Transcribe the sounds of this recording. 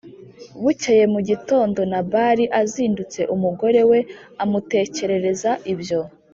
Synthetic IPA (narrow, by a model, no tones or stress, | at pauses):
βuceje̞muɟito̞ːndo̞naβaɾiʔaziːndut͡se̞ʔumuɡo̞ɾe̞we̞amute̞ːce̞ɾe̞ɾe̞zaʔibjo̞